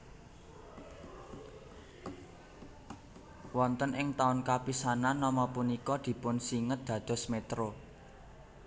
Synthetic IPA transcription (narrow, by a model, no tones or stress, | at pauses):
wɔnt̪ənʔɪŋt̪aʊnkapisananːɔmɔpunikɔd̪̥i̤pʊnsiŋət̪̚d̪̥ä̤d̪̥ɔ̤smet̪ɾo